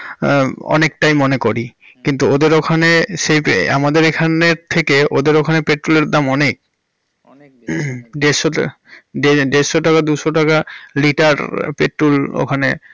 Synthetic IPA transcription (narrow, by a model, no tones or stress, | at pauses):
ɔ̰nek̚ʈajmɔnekoɾi | kint̪uod̪eɾokʰanesejpa̰mad̪eɾekʰaneɾt̪ʰekeo̰d̪eɾokʰanepeʈɾuleɾd̪amɔnek̚ | ɖesɔ | ɖeɖesɔʈakad̪usɔʈakaliʈaɾpeʈɾulo̰kʰane